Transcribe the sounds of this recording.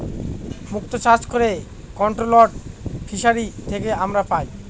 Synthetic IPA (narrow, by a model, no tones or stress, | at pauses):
muk̚t̪ot͡ɕat͡ɕkoɾe | kɔɳʈɾoloʈfʰiʃaɾit̪ʰekeamɾapaj